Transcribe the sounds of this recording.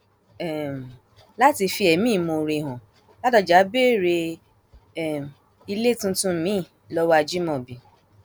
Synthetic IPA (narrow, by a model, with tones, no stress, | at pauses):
ɛ˨m˨ | la˦ti˧fi˧ɛ˨mĩ˦˨mo˧˨ɾe˧˨ɦɔ̃˨ | la˦tɔ˧d͡ʒa˨˦be˦˨ɾe˧ | ɛ˨m | i˧le˦tũ˧˦tũ˦mĩ˨˦˨ | lɔ˦wa˧d͡ʒi˦mɔ̃˨bi˨